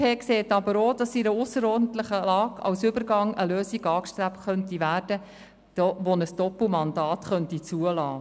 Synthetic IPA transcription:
eːkseːtɑbəɾoːd̥ɑsiɾəʊsəɾɔːɾdn̩t̪ləχəlɑːɡ̥ɑ̰wsʏbəɾɡɑŋəløːsiɡɑːkʃtɾæptχœntiʋæːrdə | d̥ɔːʋonəsd̥ɔpl̩mɑndɑːtχœntit͡suəlɑː

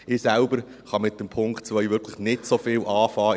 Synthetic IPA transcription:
ɪːsælbəɾ | χɑmɪt̚dəmpʰʊŋktt͡sʋœʏʋʏɾkʰləχnɪtsofɪːlʔɑːfɑː

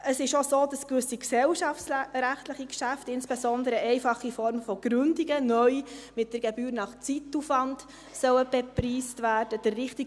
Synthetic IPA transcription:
əsɪʃosoːdɑskvʏsiksɛlʃɑfsɾæχtləχikʃæftɪnsb̥esɔndəɾəɛɪfɑχːifɔɾmfɔɡ̥ɾʏndiɡənœʏmɪt̚d̥əɾɡebyːɾnɑχt͡situfɑnd | sœwəb̥epriːstvæːɾd̥əd̥ərːɪχtiɡ

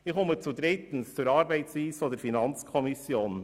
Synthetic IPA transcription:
ɪχɔmət͡sud̪ɾɪt̪n̩st͡suɾɑɾbæɪtsviːsfod̪əɾfinɑnt͡skʰɔmɪsjoːn

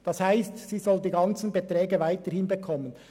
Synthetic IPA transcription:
d̥ɑshaɪstsiːzɔldiːɡɑnt͡sn̩betɾɛːɡəvaɪtəɾhɪnbəkʰɔmːən

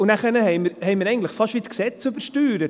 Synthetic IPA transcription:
ʊnæχənəhɛɪməɾhɛɪməɾɛɪɡŋn̩tləχfɑʃʋit͡sksɛt͡sʉbəɾʃtyːɾə

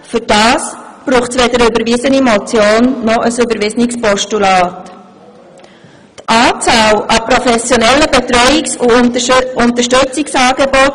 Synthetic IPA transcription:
fʏɾd̥ɑːsb̥ɾuːχtsʋɛdəɾʏbəɾvɪsənimɔt͡sjoːnːɔʔəsʏbəɾvɪsnikspɔʃtulɑːt | tʔɑːt͡salʔɑpɾɔfɛsjɔnɛlːəbetɾœʏɪksuʊntəʃtøt͡sɪksɑːɡebɔt

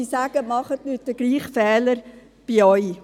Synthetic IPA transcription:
iːsaːɡ̥əmɑχətnyːt̚dəɡ̥liːχfɛːləɾ | b̥iɔʏ

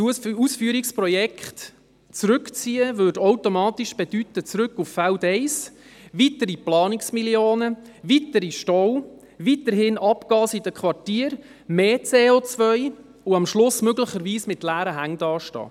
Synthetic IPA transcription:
usfyːəɾikspɾɔjɛkχt | t͡sɾʏkt͡siːəvøːdowtomɑːtiʃb̥ed̥ytət͡sɾʏkːuffældɛɪsʋitəɾiplɑːnɪksmiljoːnə | vitəɾiʃtɔw | vitəɾɦɪnɑpɡ̥ɑːsidəkʰχʋɑrtiːəɾ | meːt͡seːot͡svœʏ | uɑmʃlʊsmøɡləχəɾʋiːsmɪtlæːɾəɦæŋd̥ɑːʃtɑ̰ː

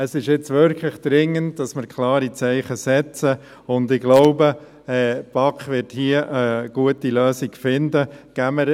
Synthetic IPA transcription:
əsɪʃɪt͡sʋʏɾkʰləχd̪̥ɾɪŋːənd̚d̥ɑsməɾkʰlɑːɾit͡sɛɪχəsɛt͡sə | ʊndɪɡlɔʊbə | ɛːpɑkχʋɪɾthiəʔəɡ̥uətiløːsiɡ̥fɪndəɡ̥æməɾ

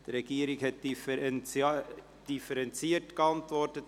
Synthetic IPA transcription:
d̥əɾɛɡ̥iːəɾɪkhɛt̚d̥ifɛn | d̥ifəɾɛnt͡siːətkəɑntvɔrtət

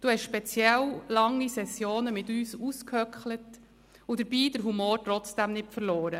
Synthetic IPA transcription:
d̥uːhɛʃʃpɛt͡sjɛllɑŋːisɛsjoːnəmɪtyːsuskhœkχlət | ʊd̥̪əɾb̥iːd̥̪əɾɦumoːɾtɾɔt͡sd̥æmnɪtfəɾloːɾə

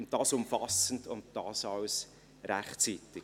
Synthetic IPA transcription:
n̚d̥ɑːsʊmfɑsəndʊnt̚d̥ɑːsɑws | ɾæχt͡siːt̪ɪ

